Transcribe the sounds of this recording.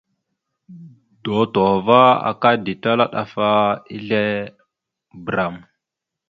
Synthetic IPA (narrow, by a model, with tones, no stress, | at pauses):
d̥o˨to˨va˦a̰˨ka˦di˨ta˦la˦ɗa̰˨fa˦i˦ɮe˦ | bɾa˨m